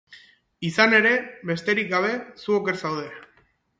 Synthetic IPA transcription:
isane̞ɾe̞βe̞st̪e̞ɾik̚ɡaβ̞e̞suo̞ke̞ɾsawð̞e

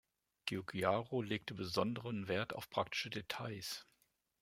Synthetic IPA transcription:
ɡ̥eoɡiaʁoleːk̚təbəzɔndəʁənveːɐtʰa̰ʊfpʁ̥ak̚tɪ̥ʃədetʰaɪs

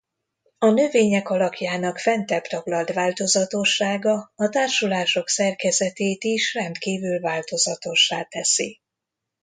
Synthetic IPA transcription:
ɒnø̞veːɲɛkɒlɒkjaːnɒkfɛnt̪ɛpt̪ɒɡlɒld̪ʋaːlt̪o̞zɒt̪o̞ʃːaːɡɒːt̪aːrʃulaːʃo̞ksɛrkɛzɛt̪eːt̪iʃrɛnt̪kiːvylvaːlt̪o̞zɒt̪o̞ʃːaːt̪ɛsi

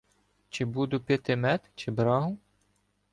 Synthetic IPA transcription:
t͡ʃɪbud̪ʊpʲet̪ɪmɛt̪t͡ʃɪbɾɑɦʊ

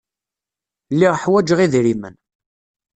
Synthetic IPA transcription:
lːiʁħwæd͡ʒəʁiðɾimə̰n

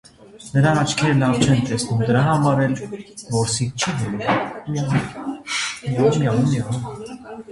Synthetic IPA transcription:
nəɾɑɑt͡ʃʰkʰɛɾəlɑvt͡ʃʰɛnt̪ɛsnumd̪əɾɑɦɑmɑɾɛlvɔɾsik̚t͡ʃʰiɦɛɾu | ɑumɑnumɑnum

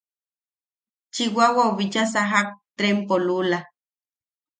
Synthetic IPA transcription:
t͡ʃiwawaoβit͡ʃasaɦak̚t̪ɾempolula

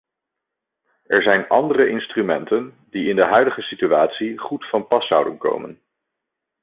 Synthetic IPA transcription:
ɛɹzɛjnɑndərəʔɪnstrymɛntən | d̥iɪndəɦœɥdəχəsityaːtsiχutfɑnpɑsɑwdənko̰wmə̰n

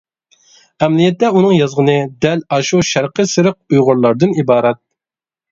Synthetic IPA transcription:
ɛmlijɛt̪ːɛunɨŋjɑzʁənɨd̪ɛlɑʃuʃæɾqʰəsɨɾəq̚ujʁʊɾlˠɑɾd̪ɨnibɑːɾɛt̪̚

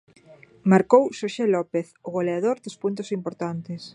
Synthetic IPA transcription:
maɾkowʃoʃelɔpeθʊɣoleaðoɾd̪ospunt̪ʊsimpoɾt̪ant̪ɪs

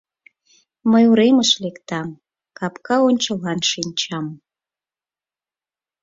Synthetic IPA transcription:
məjuɾeməʃlekt̪ɑm | kɑpkɑonʲt͡ɕəlɑnʃinʲt͡ɕɑm

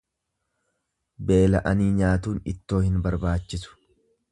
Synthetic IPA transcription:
be̞ːlɐʔɐniːɲaːt̪̬uːnɪt̪ːo̞ːhɪnbɐɾbaːt͡ʃːɪsʊ̥

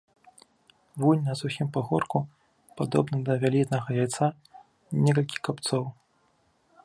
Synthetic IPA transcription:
vunʲnɐsuxʲimpaɣɔrku | pad̪ɔ̰bnɐd̪ɐvʲalʲit̪nɐɣɐjajt̪sa | nʲɛk̬ɐlʲkʲi̥kapt̪sɔw

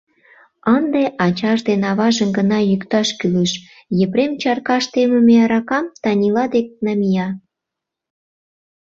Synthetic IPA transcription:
ənd̪eʔɑt͡ɕɑʒd̪enɑβɑʒəmɡənɑjykt̪ɑʃkyləʃ | jepɾemt͡ɕɑrkɑʃt̪emə̆meɑɾɑkɑmt̪ɑnʲilɑd̪ek̚nɑmʲijɑ

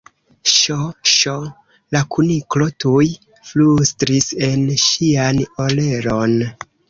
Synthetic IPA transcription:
ʃoʃo | lakuniklo̞tuj | flustɾise̞nʃianole̞ɾo̞n

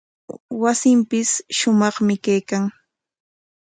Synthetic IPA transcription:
wasɪmpɪsʃʊmɑχmɪkajkaŋ

